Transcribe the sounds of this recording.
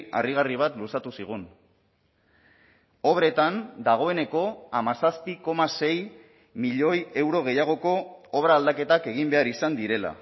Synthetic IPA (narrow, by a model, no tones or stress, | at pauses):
a̰riɣ̞ariβ̞at̪lusat̪usiɣ̞un | o̞βɾe̞t̪and̪aɣ̞o̞e̞ne̞ko̞amasaspiko̞mase̞j | miʎo̞je̞wɾo̞ɣ̞e̞jaɣ̞o̞ko̞oβɾaːld̪ake̞t̪ake̞ɣ̞imbe̞aɾisand̪iɾe̞la̰